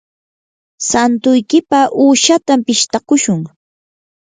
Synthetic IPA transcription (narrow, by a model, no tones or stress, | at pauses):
sant̪ʊjkɪpaʔuːʃat̪ampɪʃt̪akʊʃʊŋ